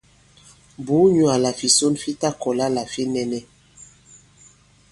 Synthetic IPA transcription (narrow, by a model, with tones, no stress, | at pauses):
bu˨˦ɲu˨a˨la˨fi˨so˦nfi˦ta˦kɔ˨la˦la˨fi˦nɛ˨nɛ˦